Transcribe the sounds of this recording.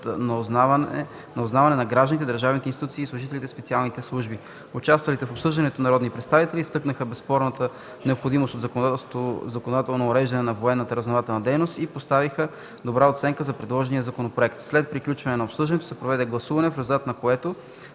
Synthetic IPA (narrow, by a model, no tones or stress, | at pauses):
n | noznavɐnɛnɐɡɾaʒd̪ənit̪ɛd̪əɾʒavnit̪ɛinst̪it̪ut̪siːslˠʊʒit̪ɛlʲit̪ɛspɛt̪sialˠnit̪ɛslˠuʒbi | ʊt͡ʃast̪vɐlit̪ɛfopsɤʒd̪ɐnɛt̪onɐɾɔd̪nipɾɛt̪st̪avit̪ɛlist̪ɤknəxəbɛspɔɾnət̪ə | nɛopxod̪imost̪ot̪zkot̪ozɐkonod̪at̪ɛlˠnoːɾɛʒd̪ɐnɛnɐvoɛnːət̪əɾɐznovat̪ɛlˠnɐd̪ɛjnost̪ipost̪avixə | d̪obɾaot̪sɛŋkəzɐpɾɛd̪lˠɔʒɛnijəzɐkonopɾoɛkt̪slɛt̪̚pɾiklʲut͡ʃvɐnɛnɐopsɤʒd̪ɐnɛt̪o̥sɛpɾovɛd̪ɛɡlˠɐsuvɐnɛfɾɛzulˠt̪at̪nɐkoɛt̪o